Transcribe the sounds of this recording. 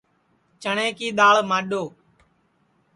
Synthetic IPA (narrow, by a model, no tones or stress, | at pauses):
t͡ʃəɳẽːkiːɗ̪aːɭmaːɗoː